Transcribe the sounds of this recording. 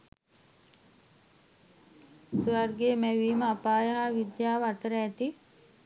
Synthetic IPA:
sʋarɡeːmæʋiːməapaːjəɦaʋid̪jaːʋəat̪əɾəæt̪i

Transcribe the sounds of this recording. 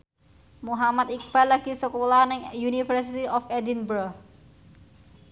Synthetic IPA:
muɦamat̪̚ik̚b̥alaɡ̥i̤səkolanɪŋjunifərsit̪iɔfedinbɾɔh

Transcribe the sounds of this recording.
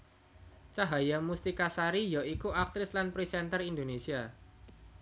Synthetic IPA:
t͡ʃaɦajamust̪ikasaɾijɔikuak̚t̪ɾɪslanpɾisɛnt̪ərind̪onesia

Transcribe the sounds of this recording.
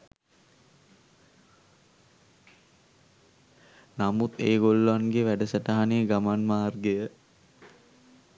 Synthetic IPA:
namut̪eːɡolːʋanɡeʋæɖəsəʈaɦaneɡamanmaːrɡejə

